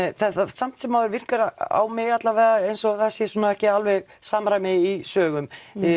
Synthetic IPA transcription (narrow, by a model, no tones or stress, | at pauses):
θɛθasam̥t̪sɛmaðʏɾvɪr̥kʏɾa̰wmɪɣat̪lavɛːðaejnsɔaθasjɛsunaɛhcɪalvɛɣ | saːmɾajmɪisœːɣʏm